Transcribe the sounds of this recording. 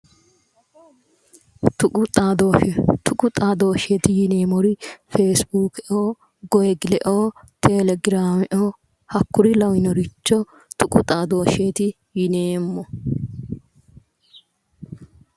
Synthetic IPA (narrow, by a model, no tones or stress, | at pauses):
t̪ʊʊt̪ʼaːd̪ot̪ʰʊkʼʊt̪ʼaːd̪oːʃet̪ɪjɪne̞ːmɔɾɪfeːsbuːkɛʔoː | ɡɔjɛɡɪlɛʔoːt̪ʰɛlɛɡɪɾaːmɛʔoː | hɐkːʊɾɪlɐwɪnɔɾɪt͡ʃːɔ | t̪ʊkʼʊt̪ʼaːd̪o̞ːʃet̪ɪ | jɪneːmːɔ